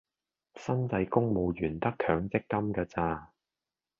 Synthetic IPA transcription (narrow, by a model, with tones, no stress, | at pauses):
sɐ˥nt͡sɐ˧jkʊ˥ŋmo˨˧wjyː˨˩nt̪ɐ˥kʰœː˨˧ŋt͡sɪ˥k̚kɐ˥mkɐː˧t͡saː˧